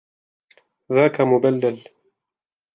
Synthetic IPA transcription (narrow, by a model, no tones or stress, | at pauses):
ðaːkamʊbalːal